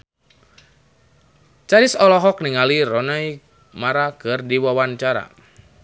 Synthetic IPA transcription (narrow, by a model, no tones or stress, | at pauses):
t͡ʃaɾɪsɔlɔɦɔk̚nɪŋaliɾɔnaj | maɾakɨrdiwawant͡ʃaɾa̰